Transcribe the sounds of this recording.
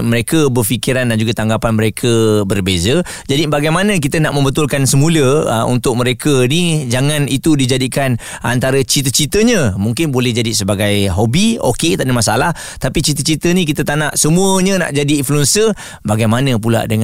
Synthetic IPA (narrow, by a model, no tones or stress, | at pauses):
məɾekəbərfikiɾandand͡ʒuɡat̪aŋɡapanməɾekʰəbərbezə | d͡ʒadibaɡajmanə̃k̬it̪ənaʔmə̃mbət̪ʊlkansəmũlə̰ṵnt̪ʊk̚məɾekʰənid͡ʒaŋãnit̪udid͡ʒadikan | ʔa̰nt̪aɾət͡ʃit̪ət͡ʃit̪əɲə̃muŋkɪnbolɛhd͡ʒadisəbaɡajɦobio̰ket̪aʔdəmasa̰lah | t̪apit͡ʃit̪ət͡ʃit̪ənik̬it̪ət̪anaʔsəmuəɲə̃na̰ʔd͡ʒadiːnfluɛnsə | baɡajmanə̃p̬ula̰ʔdəŋ